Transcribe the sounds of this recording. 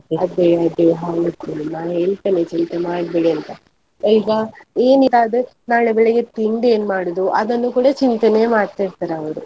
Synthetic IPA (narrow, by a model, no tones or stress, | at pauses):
ɐd̪eɭad̪eɦaːʋut̪ːuɐlːaɦeːɭt̪ɐnet͡ʃint̪emaːɽbeːɽiɐnt̪ɐ | ɐɡɐeːnilaːd̪e | naːɭebɛɭeɡet̪iɳɖe̞ːnmaːɽod̪uʔɐ̰d̪ɐnːukuːɽɐt͡ʃint̪ene̞ːmaːɽt̪aːɾt̪aːɾeɐʋɐɾu